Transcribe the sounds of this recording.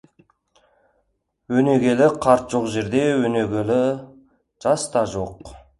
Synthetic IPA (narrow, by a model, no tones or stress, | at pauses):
wɵne̞ɡʲe̞lɪqʰɑɾt̪ʒ̥oqʒe̞ɾd̪e̞wɵneɡʲelɪ | ʒ̥ɑst̪ɑʒoq